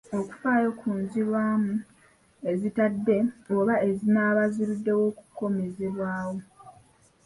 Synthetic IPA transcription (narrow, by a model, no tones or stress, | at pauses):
o̞ku̥faːjo̞kʰuːnziɾwaːmu | e̞zitadːe̞oβae̞zinaːβaziɾidːe̞wo̞ːku̥kːo̞me̞ze̞βwaːwo̞